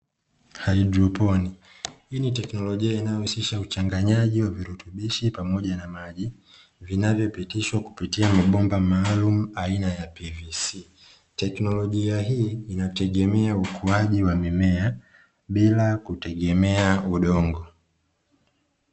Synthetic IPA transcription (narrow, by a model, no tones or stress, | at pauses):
haidɾɔpɔni | hinitɛknɔlɔʄiainajɔhusiʃaut͡ʃaŋɡaɲaʄiwaviɾutuɓiʃipamɔʄanamaʄi | vinavjɔpitiʃwaku̥pitiamaɓɔmbamaːlum̩ainajapivisi | tɛknɔlɔʄiaɦiːnatɛɠɛmɛaukʰuaʄiwamimɛa | ɓilakutɛɠɛmɛauɗɔŋɡɔ